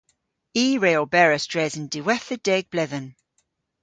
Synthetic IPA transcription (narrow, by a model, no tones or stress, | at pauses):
iːɹeːɔlˠbɛɹəsd̥ɹɛzəndɪwɛθəd̥ɛɡ̚b̥lɛðən